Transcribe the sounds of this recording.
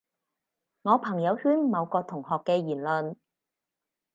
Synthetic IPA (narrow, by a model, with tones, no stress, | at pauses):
ŋɔː˨˧pʰɐ˨˩ŋjɐ˨˧whyː˥nmɐ˨˧wkɔː˧t̪ʰʊ˨˩ŋhɔː˨kːɛː˧jiː˨˩nlɵ˨n